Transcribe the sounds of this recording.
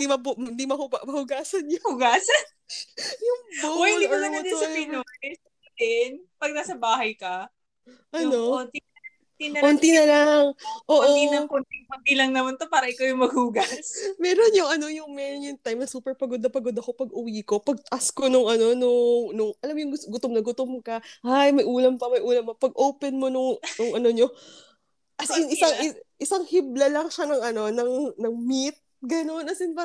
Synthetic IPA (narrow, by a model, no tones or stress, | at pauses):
d̪imɐbmnd̪imɐhʊamɐhʊɡaːsɐnjʊhʊɡaːsɐn | jʊŋboohɪnd̪imɐɡɐɐd̪ɐsɐpɪno | d̪ɪnpɐɡ̚nasɐbaːɦɐjkɐ | ʔɐnont̪i | t̪inɐont̪inɐlaŋʔoːʔɪʔnoilɐŋkʊnt̪ɪŋpɐt̪ilɐŋnɐmɐnt̪opaːɾɐʔɪkawjʊŋmɐɡ̚huːɡɐsmɛːɾonjʊŋɐno̞jʊŋmɛːɾonjʊŋt̪ajmnɐsuːpɛɹpɐɡod̪ɐpɐɡod̪ɐkopɐɡ̚ʔʊwiːko̞pɐɡ̚t̪ɐʔɐsko̞nʊŋʔɐno̞nʊŋnʊŋʔɐlamjʊŋɡʊɡʊt̪omnɐɡʊt̪omkɐʔajmɐjʔuːlɐmpɐmɐjʔuːlɐmːɐpɐɡ̚ʔowpɛnmo̞nʊŋnʊŋʔɐno̞ɲo̞ | ʔɐsjʊŋɪsaŋɪʔɪsaŋhiblɐlɐŋʃanɐŋʔɐno̞nɐŋnɐŋmit̪̚ɡɐno̞nʔɐsɪnpa